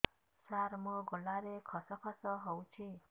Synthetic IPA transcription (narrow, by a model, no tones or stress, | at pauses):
saɾmɔ̃ɡɔlaɾekʰɔsɔkʰɔsɔɦɔũt͡ʃʰi